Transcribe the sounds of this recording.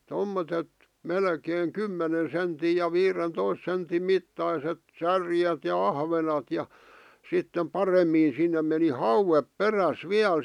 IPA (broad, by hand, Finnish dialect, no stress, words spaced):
tomːotet melkeːŋ kymːenen̞ senti jɑ ʋiːrentois sentim mitːɑiset særjet jɑ ɑhʋenɑt jɑ sitːem pɑremːiː sinːem̆ meni hɑuwep peræs ʋiæl